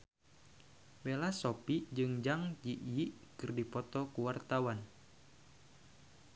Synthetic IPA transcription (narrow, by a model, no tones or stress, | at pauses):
belasopiʔd͡ʒɨŋd͡ʒaŋd͡ʒiʔjiʔkɨrdipɔt̪ɔkuwart̪awan